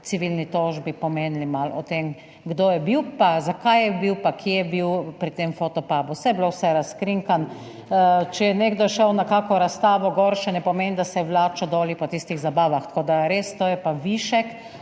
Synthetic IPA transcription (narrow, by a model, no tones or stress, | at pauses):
t̪siʋilnit̪oːʒbipɔmeːnlimalɔt̪em | ɡd̪oːjɛbiwpazakajjɛbiwpakʰjejɛbiwpɾit̪emfot̪ɔpaːbusɛjɛblowsɛɾaskɾiŋkan | t͡ʃɛjɛneɡd̪ɔʃɛwnakaːkɔɾast̪aːʋɔɡɔɾʃɛnɛpɔmend̪asɛwlaːt͡ʃɔd̪ɔːlipɔt̪ist̪iɣzabaːʋaxt̪ɐ̥koːd̪aɾeːst̪oːjɛpaʋiːʃɛk